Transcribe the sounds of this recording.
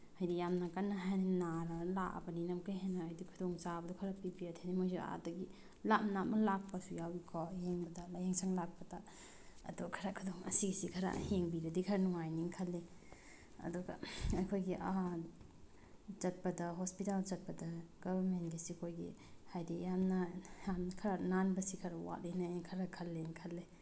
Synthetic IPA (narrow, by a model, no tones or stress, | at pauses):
hajdijamnɐkɐnːɐɦajnɐnaɾɐlaʔɐ̰bɐninɐmkajɦenːɐajdikʰudoŋt͡ʃabɐdukʰɐɾɐpibiatʰenimojsua̰dɐɡi | lamnamɐlak̚pɐsujawikʰɔheŋbɐdɐlɐjeŋsaŋlak̚pɐda | ɐ̰duɡɐkʰɐɾakʰudoŋɐ̰siɡisikʰɐɾa̰heŋbiɾɐdikʰɐɾɐnuŋajniŋkʰɐlːe | ɐ̰duɡɐ̰ɐkʰojɡiʔa | t͡ʃɐt̚pɐdɐɦospitalt͡ʃɐt̚pɐdɐɡɔbɐɾmenɡisikʰojɡḭhajdijamnɐjamnkʰɐɾananbɐsikʰɐɾɐwa̰tenajnikʰɐɾɐkʰɐlːenkʰɐlːe